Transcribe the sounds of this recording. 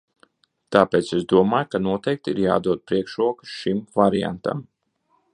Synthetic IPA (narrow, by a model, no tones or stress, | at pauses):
t̪aːpeːt̪sesd̪uɔmaːjkanuɔt̪ɛjk̚t̪iɾja̰ːd̪uɔd̪̚pɾiɛkʃɾuɔkɨ̥sʃimvaɾija̰nt̪a̰m